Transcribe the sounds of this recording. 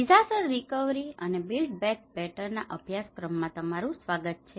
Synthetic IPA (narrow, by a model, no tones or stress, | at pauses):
id͡ʒʱasəɾːikəʋɾiənebilɖ̚bɛk̚bɛʈəɾna̰ʔəbʱjaskɾəmːãt̪əmaɾũsʋaɡət̪̚t͡ʃʰe